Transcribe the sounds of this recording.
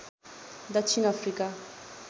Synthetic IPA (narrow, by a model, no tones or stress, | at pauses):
d̪at͡ʃʰiŋafrika